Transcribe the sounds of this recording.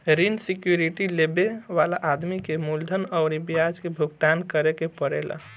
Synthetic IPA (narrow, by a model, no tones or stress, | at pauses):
ɾinsikjuɾiʈilebeʋalaʔad̪mikemuld̪ʱənəʊɾibijad͡ʒkebʱuɡ̚t̪ankəɾekepəɾela̰